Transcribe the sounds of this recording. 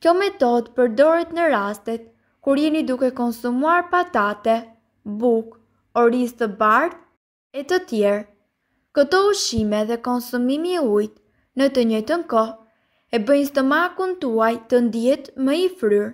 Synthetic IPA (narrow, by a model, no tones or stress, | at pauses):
kjɔmɛt̪ɔd̪pəɾd̪ɔɾɛt̪nəɾast̪ɛt̪ | kuɾjɛnid̪ukɛkɔnsumuaɾpat̪at̪ɛ | buk | ɔɾist̪əbaɾð | ɛt̪ət̪jɛɾ | kət̪ɔuʃimɛðɛkɔnsumimiɛujt̪ | nət̪əɲɔjt̪ənkɔ | ɛbəjnst̪əmakunt̪uajt̪ənd̪jɛt̪mɛifɾyɾ